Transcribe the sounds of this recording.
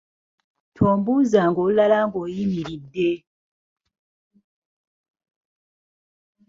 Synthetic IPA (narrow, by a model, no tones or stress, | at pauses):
tʰɔmbuzaŋɡolalaŋɡɔjimiɾide